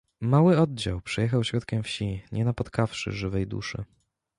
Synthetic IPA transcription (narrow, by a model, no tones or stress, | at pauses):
mawɘɔd̪̚d͡ʑa̰wpʂɛjɛxawɕɾɔt̪kʲɛmfɕiɲɛnapɔt̪kafʂɘ̰ʐɘvɛjd̪ṵʂɘ̰